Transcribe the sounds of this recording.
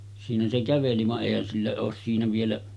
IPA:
siːnæ se kæʋeli ʋɑʔ ʔeˑihæn silːæ oːs siːnæ ʋielæ

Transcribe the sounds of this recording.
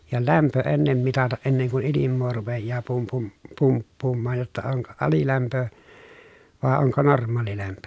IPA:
jɑ læmpø enːem mitɑtɑʔ ʔenːeŋ kun̞ ilimːoː rupejːɑː pum pum pumpːuːmːɑːj jotːɑ oŋko ɑlilæmpø ʋɑˑe oŋko normˑɑːlilæmpø

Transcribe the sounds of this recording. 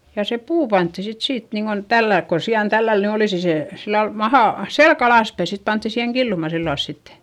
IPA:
jɑ se puː pɑntːi sit siːt niːŋɡ̊on tælːæilk kon̞ siɑn tælːæl ny oliˑsi se silːɑl mɑhɑˑ selk ɑlɑˑspæi sit pɑntːi siheŋ kilːumɑ silːɑls sitːe

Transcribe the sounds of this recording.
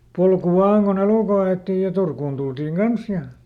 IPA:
polku ʋɑːn kun eluˑkoĭ ɑetːij jɑ turkun d̥uld̥iŋ ɡ̊ɑns jɑ

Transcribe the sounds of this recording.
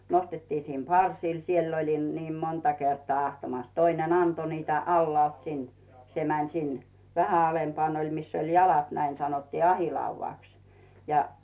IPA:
nostetːiː sim pɑrsiː siel olʲim niːm montɑ kertŏɑˑ ɑhtɑmɑs toinen ɑnto niːtæ ɑlːŏɑˑlt sin se mænˑ sin ʋæhæ ɑlempŏɑˑn olʲ misː olʲ jɑlɑt næin sɑnotːiː ɑhiˑlɑuʋɑˑks jɑ

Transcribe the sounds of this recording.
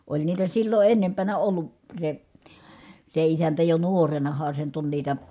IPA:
olʲ niːtæ silːo ʔenːempænæ olːu se se isæntæ jo nuorenɑhɑ se nyt on niːtæ

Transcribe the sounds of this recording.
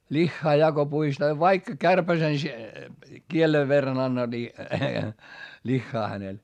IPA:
lʲixːɑː jɑ ko puistɑː ʋɑikːɑ kærpæsen kieleʋ ʋerːɑn ɑnːɑ ni lixːɑː hænel

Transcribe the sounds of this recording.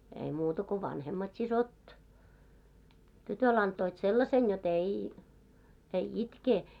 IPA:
ei muːtɑ ko ʋɑnhemːɑt sisot tytøl ɑntoit selːɑsen jot ei ei itkeː

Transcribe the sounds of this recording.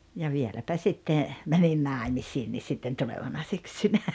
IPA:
jɑ ʋielæpæ sitːe mænin nɑˑemisiːnːis̆ sitːen tuleʋɑnɑ syksynæ

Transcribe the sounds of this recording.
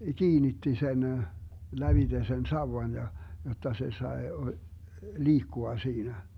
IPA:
kiːnitːi sen læʋite sen sɑuwɑn jɑ jotːɑ se sɑe liːkːuɑ siːnæ

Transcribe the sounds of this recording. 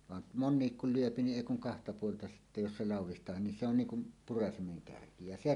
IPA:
ʋɑn monːiːk kul lyøpi niʔ ʔeˑi kuŋ kɑhtɑ puoltɑ sitːæ jos se lɑˑuwˑistˑɑːhin ni se on niːŋ kum purɑsimeŋ kærki jɑ se

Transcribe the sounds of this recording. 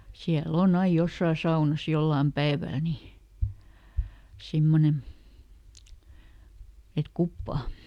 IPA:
siæl on ɑij josːɑː sɑunɑs jolːɑːm pæeʋæl ni simːonen̞ et kupːɑː

